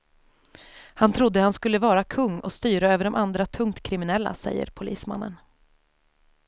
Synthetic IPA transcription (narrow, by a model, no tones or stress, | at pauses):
hant̪ʰɾʊd̪ːəhanskɵlːəvɑːɾakʰɵŋːɔ̰st̪yːɾaøːvəɖɔmʔand̪ɾat̪ʰɵŋt̪kʰɾɪmɪnɛlːa̰sɛ̰jːə̰ɾpʰʊlḭːsma̰nːə̰n